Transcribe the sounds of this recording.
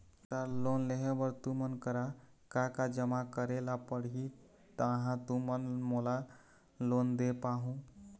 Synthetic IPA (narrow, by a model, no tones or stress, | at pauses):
t̪alonleɦebəɾt̪umənkəɾa | kakad͡ʒəmakəɾelapəɽɦi | t̪əɦãt̪umənmola | lond̪epaɦũ